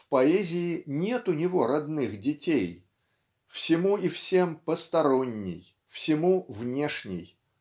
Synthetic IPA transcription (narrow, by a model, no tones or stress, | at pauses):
fpɐɛzʲɪɪnʲe̞t̪ʊnʲɪvo̞ɾɐd̪nɨxdʲɪtʲej | fsʲɪmuifsʲe̞mpəst̪ɐɾo̞nʲːɪ̰j | fsʲɪmuvnʲe̞ʂnʲɪ̰j